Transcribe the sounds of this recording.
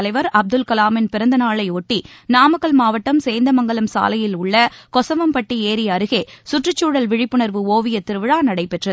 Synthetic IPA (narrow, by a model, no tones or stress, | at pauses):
ɐlɐɪʋɐɾɐb̚d̪ɯlkɐlaːmɪnpɪɾɐnd̪ɐnaːɭɐɪoːʈːinaːmɐkːɐɭmaːʋɐʈːɐmseːnd̪ɐmɐŋɡɐɭɐmsa̰ːlɐjɪlʊɭːɐkɔsɐʋɐmpɐʈːieːɾɪɐɾɯɣeːsʊʈrɯt͡ʃːuːɽɐlʋɪɻɪpːɯɳɐɾʋɯoːʋɪjɐt̪ɪɾɯʋɪɻaːnɐɽɐɪpɛʈrɐð